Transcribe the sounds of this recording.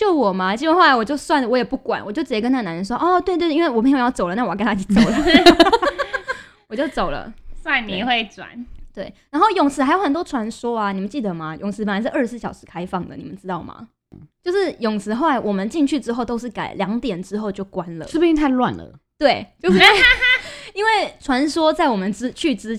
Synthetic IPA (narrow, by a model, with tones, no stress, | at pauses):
t͡ɕjo˥˩ʊwɔ˨˩ma˨t͡ɕi˥˩wxo˥˩la˧˦wɔ˨˩t͡ɕjo˥˧ʊswa˥˩nlə˩wɔ˧˥jɛ˨˩pu˥˩kwa̰˨˩nʔwɔ˨˩t͡ɕjo˥˩ʊt͡sɻ̩˨˩jɛ˧˥kə˥na˥˩˨na˧˥ə˧ns̬wɔ˥˧˨ʔɔ˥t̪we˥˧t̪wnwe˥˩wme˥˩jo˨˩jɑ˥˩t͡so˨˩ʊlə˦na˥˩wknt̪ʰa˥t͡ɕi˧˩t͡so˨˩˦ | wɔ˨˩t͡ɕjo˥˩ʊt͡so˨˩ʊlə̰˨˦swa˥˧nni˨˩xwe˥˩ɪt͡swa̰˨˦nt̪we˥˩ɪna˧˥nxo˥˩ʊjʊ˨˩ŋsʰɹ̩˥a˧˥ɪjo˧˩ʊxə˨˩nt̪wɔ˥ʈ͡ʂʰwa˧˥nswɔ˥a˨ni˨˩mə˦nt͡ɕi˥˩d̪ə˩ma˨˩jʊ˨˩ŋt͡ss̩ʰ˧˥pə˨˩nla˧ɪʂ̩˥˧ʔə˞˥˧sɹ̩˥˩ɕɑ˨˩ʊʂɻ̩˧˥kʰa˥ɪfɑ˥˩ŋd̪ə̰˩ni˨˩mə˦nʈ͡ʂɻ̩˥t̪ɑ˥˩ʊmʔa̰˩ | t͡ɕjo˥˧ʊʂɻ̩˥˩jʊ˨˩ŋsʰɹ̩˧˥xo˥˩ʊa˧˦ɪwʔɔ˨˩mə˦nt͡ɕi˥˧ŋt͡ɕʰy˥˩ʈ͡ʂɻ̩˥xo˥˩ʊt̪o˥ʊʂ̬̩˥˩ka˨˩ɪljɑ˧˥ŋt̪jɛ˨˩nʈ͡ʂɻ̩˥xo˥˧ʊt͡ɕjo˥˩ʊkwa˦nlə̰˩ʂɻ̩˥˩bu˨˩y˥˧t̪ʰa˥˧ɪlwa̰˥˨nlə̰˩t̪we˥˩ɪt͡ɕjo˥˧ʊʂ̩˥˩˥ | i˥nwe˥˩ɪʈ͡ʂʰwa˧˦nswɔ˥t͡sa˥˩ɪwɔ˨˩mə˦nt͡s̩˥t͡ɕʰy˥˩ʈ͡ʂɻ̩˥